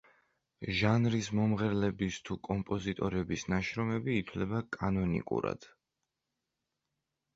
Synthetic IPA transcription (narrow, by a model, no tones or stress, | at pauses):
ʒanɾismɔmʁɛɾlɛbist̪ʰukʼɔmpʼɔzit̪ʼɔɾɛbisnaʃɾɔmɛbiːt̪ʰlɛbakʼanɔnḭkʼṵɾa̰d̪̥